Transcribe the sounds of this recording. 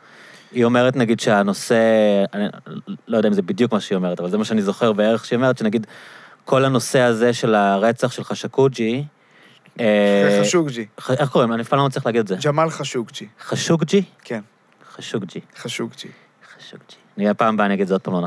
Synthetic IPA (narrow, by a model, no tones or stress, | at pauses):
io̞me̞ʁetnaɡid̪ʃeano̞se̞anilojod̪aimzebid̪jukmaʃeio̞me̞etavalzemaʃeanizo̞χe̞ʁbeeʁeχʃeio̞me̞ʁet̪ʃenaɡid̪kʰo̞lano̞se̞aze̞ʃe̞laʁet͡saχʃe̞lχaʃakud͡ʒi | euɡd͡ʒiχaeχko̞ʁimanifalamatt͡slʁiχleaːɡid̪edzed͡ʒamalχaʃuɡd͡ʒiχaʃuɡd͡ʒikʰen | χaʃuɡd͡ʒiaʃuɡd͡ʒi | χḁʃuɡd͡ʒianiapaːmbaaniaɡid̪zeod̥̪̚paːman